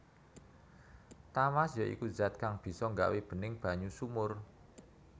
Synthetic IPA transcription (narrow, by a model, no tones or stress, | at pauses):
t̪amasjɔʔḭkuzat̪̚kaŋb̥i̤sɔŋɡa̰ʔweb̥ə̤nɪŋb̥a̤ɲusumʊr